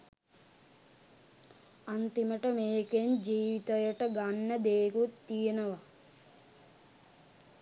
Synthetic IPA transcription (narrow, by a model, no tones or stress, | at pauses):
ɐnt̪imɐʈɐmeːkend͡ʒiːʋit̪ɐjɐʈɐɡɐnːɐd̪eːkut̪ːijɐnɐʋɐ